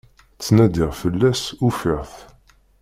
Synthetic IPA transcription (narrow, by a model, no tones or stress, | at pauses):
t͡sːnæd̪ɪʁfəlːæsufɪʁθ